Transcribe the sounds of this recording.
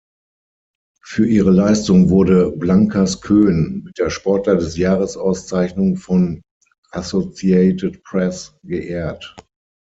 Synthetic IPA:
fyːɐʔiːʁəlaɪstʊŋvʊɐdəblaŋkʰaskʰøːnmɪt̚d̥eːɐʃpɔɐtlɐdɛsjaːʁəsʔaʊst͡saɪçnʊŋfɔn | ʔasot͡siɛɪtətpʁɛsɡ̥əʔɛːɐt

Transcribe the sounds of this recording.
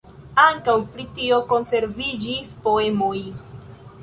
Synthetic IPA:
aŋkawpɾitio̞ko̞nse̞ɾvid͡ʒispo̞e̞moj

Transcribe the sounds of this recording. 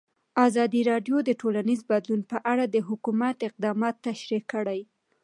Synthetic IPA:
ɑzɑd̪iɾɑɖjod̪əʈolanizbad̪lunpəʔaɽad̪əɦʊkumat̪ɪq̚d̪ɑmɑt̪ːaʃɾikəɽaj

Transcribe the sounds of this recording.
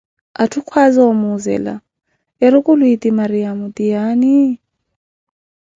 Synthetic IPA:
atʰukʰwazɔɔmuzɛ̰la̰ | ɛɾʊkʼʊlwitʼimaɾijamutijaːni

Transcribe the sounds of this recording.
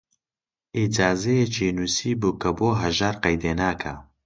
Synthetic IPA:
ʔid͡ʒaːzɐjet͡ʃʰiːnuːsiːbukɐboːɦɐʒaːɾqɐjd̪eːnaːkʰa

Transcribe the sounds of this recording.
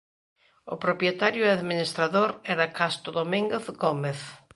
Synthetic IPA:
ʊpɾopjet̪aɾjʊaðminist̪ɾaðoɾɛɾɐkast̪ʊðomĩŋɡeθɡomeθ

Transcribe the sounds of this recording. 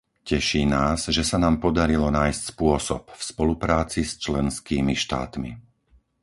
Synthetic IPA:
cɛʃiːnaːzʒɛsanaːmpɔd̪aɾilɔnaːjscspʊɔsɔ̰pfspɔlupɾaːt͡sist͡ʃlɛnskiːmiʃt̪a̰ːt̪mḭ

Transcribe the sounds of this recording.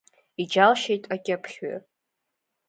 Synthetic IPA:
id͡ʒalʃejtʼakʲʼɪpʰχʲɥa̰

